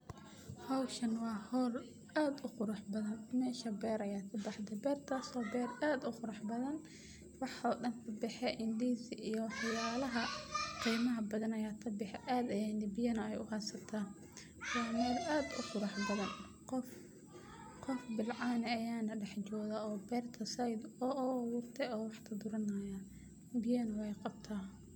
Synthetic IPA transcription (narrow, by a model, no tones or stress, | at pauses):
hɐwʃɐnwɑːhɔːl | aːd̪ʊqʊɾɑħbɐðɐnmɛːʃɐbɛːɾɐjaːt̪ʰɐbɑħd̪ɛbɛːrt̪ʰaːsɔːbɛːraːd̪ʊqʊɾɑħbɐðɐn | wɑħɔːɗɐnt̪ʰɐbɪħɛʔɪnd̪iːsɪʔijɔħɑjaːlɐɦɐqiːmɐɦɐbɐðɐnɐjaːt̪ʰɐbɪħɛʔaːd̪ɐjaːnɪbɪjɐnɐɛjʊ̰hɑsɐt̪ʰaːn | wɑːmɛːraːd̪ʊ̰qʊɾɑħbɐðɐn | qɔf | qɔfbɪlʕɑːnɛɐjaːnɐɖɛħt͡ʃɔːðaːɔːbɛːrt̪ʰɐsɐjd̪ɔʔɔwʊːrt̪ʰɛɔːwɑħt̪ʰɐd̪ʊɾɐnɐjɐ | bɪjɐnɐwɛjqɑb̚t̪ʰaː